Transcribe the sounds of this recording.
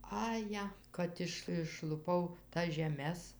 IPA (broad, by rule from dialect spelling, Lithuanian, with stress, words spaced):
ɐˈjɛ ˈkɐt ɪʃ ɪʃlˠʊˈpɐʊ tɐs ʒʲɛˈmʲɛs